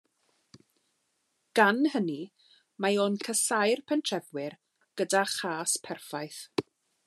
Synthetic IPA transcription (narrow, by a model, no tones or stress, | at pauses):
ɡ̥anhəni | maoːnkʰəsajrpʰɛntʰrɛvwɪr | ɡ̥ədaχaːspʰɛrfajθ